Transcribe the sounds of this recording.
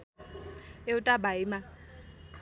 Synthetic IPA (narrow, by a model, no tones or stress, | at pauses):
eʊtʼabaima